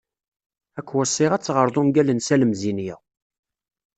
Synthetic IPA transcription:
ækʷːwæsˤːɪʁæt͡sːʁəɾˤðˤʊmɡælənsæləmzinjɪʁ

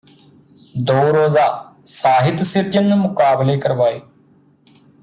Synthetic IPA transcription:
d̪oːɾoːzaːsaːɦɪt̪sɪɾd͡ʒənːuːmʊkaːbleːkəɾʋaːeː

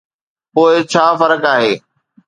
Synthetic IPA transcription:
poːɪt͡ɕʰaːfɐɾəkaːɦeː

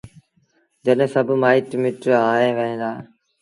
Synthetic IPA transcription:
d͡ʒəɗɦẽːsəbʱmaːiʈmɪʈaːɦẽːʋəɦẽːd̪aː

